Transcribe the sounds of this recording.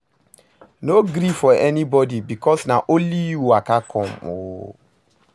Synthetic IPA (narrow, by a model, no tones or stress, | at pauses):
noɡɾifɔʔɛnibɔdibikɔsnaʔoliwakakʰɔ̃mo̰